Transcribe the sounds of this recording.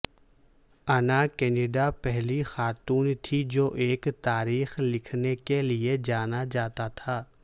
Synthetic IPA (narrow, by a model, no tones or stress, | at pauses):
ɐnakɛːneɖapɛɦlixaːt̪uːnt̪ʰid͡ʒoːʔeːkt̪aːɾiːxlɪkʰnekelied͡ʒaːnad͡ʒaːt̪at̪ʰaː